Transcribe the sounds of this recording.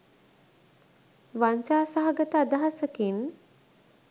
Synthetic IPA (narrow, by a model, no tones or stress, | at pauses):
ʋaɲt͡ʃaːsaɦaɡət̪əad̪aɦasəkin